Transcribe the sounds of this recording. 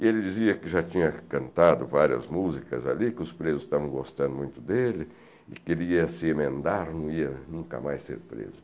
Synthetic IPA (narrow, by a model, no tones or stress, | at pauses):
elɪd͡ʒiziɐkɪʒat͡ʃĩɲɐkɐ̃nt̪ad̪ʊvaɾiɐ̰zmuzikɐ̰za̰likɪʊspɾezʊzst̪avɐ̃w̃ɡost̪ɐ̃nd̪ʊmũj̃t̪ʊd̪elɪ | ɪ̰keliɐsɪemẽnd̪aɾnɐ̃w̃iɐnũŋkɐ̰majsḛɾpɾḛzʊ